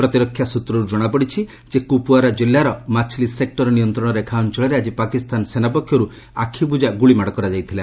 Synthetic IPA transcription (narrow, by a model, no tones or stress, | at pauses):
pɾɔt̪iɾɔkʰːjasut̪ɾɔɾud͡ʒɔɽ̃apɔɽit͡ʃʰi | d͡ʒekupuaɾad͡ʒolːaɾɔmat͡ʃʰlisek̚ʈɔɾɔnijɔnt̪ɾɔɽ̃ɔɾekʰaɔnt͡ʃɔɭeɾead͡ʒipakist̪ansenapɔkʰːjɔɾu | akʰibud͡ʒaɡuɭimaɽɔkɔɾad͡ʒajt̪ʰila